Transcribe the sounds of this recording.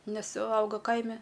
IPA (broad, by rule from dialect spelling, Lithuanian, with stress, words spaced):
ˈnʲɛs ˈɐʊɡɐ ˈkɐɪmʲɛ